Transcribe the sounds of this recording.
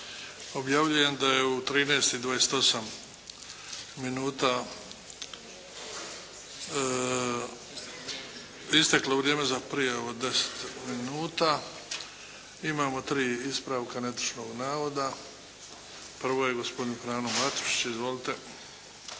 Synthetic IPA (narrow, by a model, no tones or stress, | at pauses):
o̞bjaʋʎuje̞md̪aje̞ut̪ɾiːneːst̪id̪ʋajeset̪o̞sam | inuːt̪a | ist̪ekloʋɾjeːmezapɾijaoʋod̪e̞se̥t̪minuːt̪a | imaːmo̞t̪ɾiːispɾaːʋkanet̪u̥ʃnoɡnaːʋo̞d̪a | pr̩ʋoje̞ɡo̞spo̞d̪infɾaːnomlat̪u̥ʃi̥t͡ɕizʋo̞lit̪e̞